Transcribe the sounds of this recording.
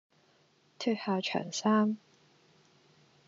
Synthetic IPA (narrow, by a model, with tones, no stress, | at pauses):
t̪ʰy˧t̚haː˨˧t͡ʃʰœ̰ː˨˩ŋsaː˥m